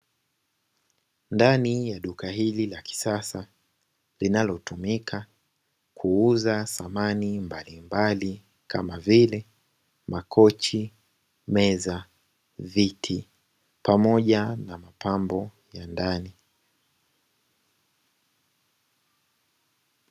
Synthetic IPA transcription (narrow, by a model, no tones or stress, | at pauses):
ndanijaɗukahililaki̥sasa | linalɔtumikʰa | kʰuuzasamanimbalimbali | kʰamavilɛ | makʰɔt͡ʃi | mɛza | vitʰi | pamɔʄanamapʰambɔ | jandani